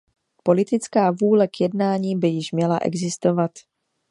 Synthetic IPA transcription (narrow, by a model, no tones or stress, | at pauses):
po̞lɪt̪ɪt͡skaːvuːlɛkjɛdnaːɲiːbɪjɪʃmɲɛlaʔɛ̰ɡzɪst̪o̞vat̪